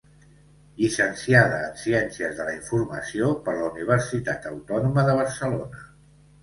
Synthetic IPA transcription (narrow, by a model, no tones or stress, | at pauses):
ʎisənsiaðəːnsiɛnsiəzðələiɱfurməsiopəɾləuniβ̞əɾsit̪at̪əwt̪ɔnuməðəβəɾsəlonə